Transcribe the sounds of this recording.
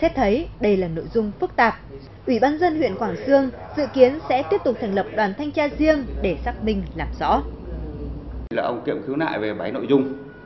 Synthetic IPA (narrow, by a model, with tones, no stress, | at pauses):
sɛ˦˥p̚t̪ʰə˨˦jɗə˧jlaː˨˩no̰˧˨jzʊ˧ŋ͡mfɨ˦˥k̚t̪aː˨˩p̚ | ʔwi˧˩ɓaː˧nzə˧nhwḭ˧˨ənkwaː˧˩ŋsɨ˧əŋzɨ̰˧˨ki˨˦ənsɛ̰˧˥t̪i˦˥əp̚t̪ʊ˨˩k͡p̚t̪ʰɛ˨˩ŋ̟lə˨˩p̚ɗwaː˨˩nt̪ʰa˧jŋ̟t͡ɕaː˧zi˧əŋɗe˧˩saː˦˥k̚mï˧ŋ̟laː˨˩mzɔ̰˧˥ | laː˨˩ʔə˧wŋ͡mkḭ˧˨əmxi˨˦wna̰ː˧˨jve˨˩ɓa˨˦jno̰˧˨jzʊ˧ŋ͡m